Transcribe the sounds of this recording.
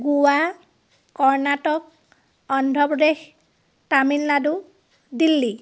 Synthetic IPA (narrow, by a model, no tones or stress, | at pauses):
ɡuwa | kːɔɹnatɔk̚ | ɔndʱɔpɹɔdex | tamilːadu | dilːi